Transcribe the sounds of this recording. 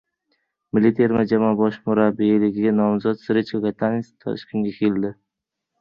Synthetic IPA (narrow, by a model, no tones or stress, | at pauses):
mɪlit̪ʰeɾmad͡ʒamɒbɒʃmʊɾabilɪɡʲɪɡʲanɒmzɒt̪sɪɾɪt͡ʃokat̪ʰanst̪ʰɒ̰ʃkʲɪnɡʲakʲʰeld̪ɪ